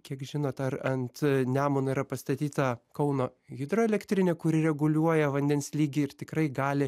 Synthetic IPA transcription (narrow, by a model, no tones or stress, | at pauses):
kʲiɛkʒʲɪnoːt̪ɐrɐnt̪nʲæːmoniːɾɐpɐst̪ɐt̪ʲiːt̪ɐkɐʊnoːɣʲɪd̪ɾoːɛlʲɛkt̪ʲɾʲɪnʲekʊɾʲɪɾʲɛɡʊlʲuɔjɛʋɐnʲd̪ʲɛnsʲlʲiːɡʲɪɪrt̪ʲɪkɾɐɪɡɑːlʲɪ